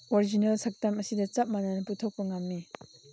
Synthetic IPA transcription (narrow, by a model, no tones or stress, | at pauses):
oɾid͡ʒinɐlsak̚tamɐsidɐt͡ʃap̚mananɐputʰok̚pɐŋamːi